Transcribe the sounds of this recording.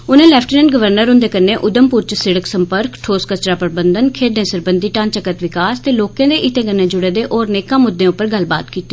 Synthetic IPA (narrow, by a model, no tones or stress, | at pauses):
ʊnẽːlɛːpʰʈinɛːɳɖɡəʋəɾnəɾɦʊ̃nd̪eːkənːẽːʔʊd̪əmpʊːɾt͡ʃsɪɽəksəmpəɾkʈʰoːskət͡ʃɾaːpəɾbənd̪ənkʰeːd̪ẽːsəɾbənd̪iːʈãːnt͡ʃəkət̪ʋɪkaːst̪eːloːkẽːd̪eːʔɪt̪ẽːkənːeːd͡ʒʊɽeːd̪eːʔɔːɾneːkãːmʊd̪ːẽːʊpːəɾɡəlba̰ːt̪kiːt̪iː